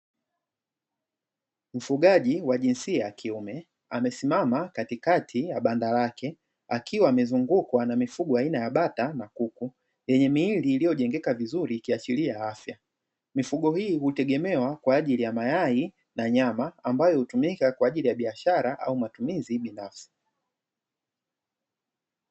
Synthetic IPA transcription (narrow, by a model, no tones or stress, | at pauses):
m̩fuɠaʄiwaʄinsiajakʰiumɛ | a̰mɛsimamakatikatʰijaɓandalakʰɛ | akʰiwaːmɛzuŋɡukwanamifuɠɔainajaɓatanakuku | jɛɲɛmiːliːlijɔʄɛŋɡɛkavizuɾikiat͡ʃiliajaafja | mifuɠɔhiːhutɛɠɛmɛwakwaːʄilijamajai | naɲamaambajɔhutumikakwaːʄilijaɓiaʃaɾaʔa̰umatumiziɓinafsi̥